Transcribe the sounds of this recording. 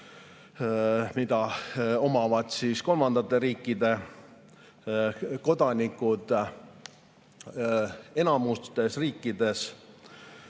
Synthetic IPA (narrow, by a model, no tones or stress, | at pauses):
mid̪̥ɑo̞mɑvɑd̪̥siːsko̞lmɑnd̪̥ɑt̪ːˑe̞ɾiːkːˑid̪e̞ | ko̞d̪̥ɑnʲikːˑud̪̥ | e̞nɑmust̪e̞sriːkːˑid̪̥e̞s